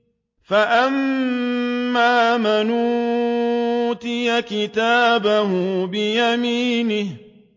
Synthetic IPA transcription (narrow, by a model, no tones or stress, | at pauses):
faʔamː | aːmanuː | t̪ɪjakɪt̪aːbaɦʊbɪjamiːnɪh